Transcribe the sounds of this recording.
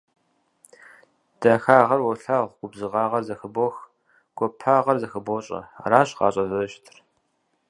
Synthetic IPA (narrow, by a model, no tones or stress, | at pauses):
d̥ɐxaːʁɐrwɔɬaːʁʷɡ̥ʷʊbzɨʁɑːʁɐrzɐxɨbox | ɡ̥ʷɔpʰaːʁɐrzɐxɨboɕʼɐ̰raːɕqɑ̰ːɕʼɐzɐʃtʰɨr